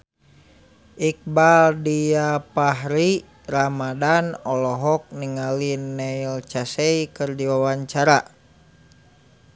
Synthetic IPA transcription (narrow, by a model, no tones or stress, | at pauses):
ʔik̚baldijapaɦɾi | ramadanɔlɔɦɔk̚niŋalinɛilt͡ʃasɛikɨrdiwawaɲt͡ʃaɾa